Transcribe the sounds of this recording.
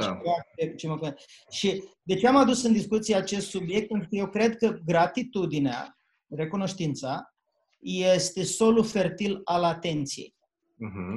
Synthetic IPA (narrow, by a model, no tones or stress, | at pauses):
eak̪et͡ʃeməkune | ʃid̪e̞t͡ʃeamad̪usɨnd̪iskut̪sijeat͡ʃe̞st̪subije̞k̚t̪̚pet̪ɾukəje̞wkɾe̞d̪kəɡɾat̪it̪ud̪inea̰ | re̞kuno̞ʃt̪int̪sa | jest̪e̞so̞lufe̞rt̪ilalat̪e̞nt̪sije̞̰j̩ | ɦ̩